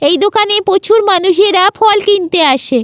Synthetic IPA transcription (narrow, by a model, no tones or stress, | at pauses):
ejd̪okanepot͡ɕʰuɾmanuʃ̬eɾafʰɔlkint̪eaʃe